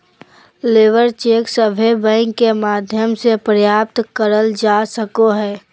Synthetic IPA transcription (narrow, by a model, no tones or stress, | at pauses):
lɪʋəɾt͡ʃeːksəbʱebə̃ŋkemaːd̪ʱjəmsepɾəjaːp̚t̪kəɾəld͡ʒaːsəkoɦɛː